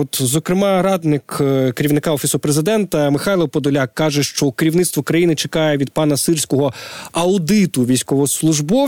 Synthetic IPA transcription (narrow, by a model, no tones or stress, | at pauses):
ɔt̪zɔkɾɪmɑɾɑd̪nɪkkeɾʲiwnɪkɑɔfʲisʊpɾezɪd̪ɛnt̪ɐmɪxɑjlˠɔwpɔd̪ɔlʲakːɑʒɛʃt͡ʃɔkeɾʲiwnɪt̪st̪ʋɔkɾɐjinɪt͡ʃekɑjɛʋʲid̪̚pɑnɐsɪrsʲkɔɦɔɐʊd̪ɪt̪ʊʋʲijsʲkɔʋɔslˠʊʒbɔ